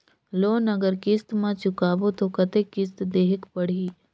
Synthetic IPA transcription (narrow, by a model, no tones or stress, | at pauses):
loːnɐɡəɾkɪst̪mãt͡ʃʊkaːbot̪okɐt̪ekɪst̪d̪eːɦɪkpəɽ̤iː